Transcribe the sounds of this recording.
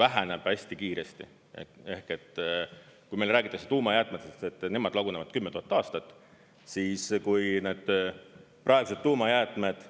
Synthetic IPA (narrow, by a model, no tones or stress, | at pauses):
væɦæneb̥æsʲt̪ikiːɾest̪ḭ | e̞hke̞t̪ːˑ | kujmelræːɡ̥it̪ːˑɑkse̥t̪uːmɑjæːt̪ːˑmet̪eset̪ːˑne̞mɑd̪lɑɡunevɑd̪̥̚kymːe̞t̪uhɑt̪ːˑɑːst̪ɑt̪ːˑ | siːskujneːd̪̥̚ | pʔɑeɡ̥use̞d̪ːuːmɑjæːt̪ˑme̞d̪̥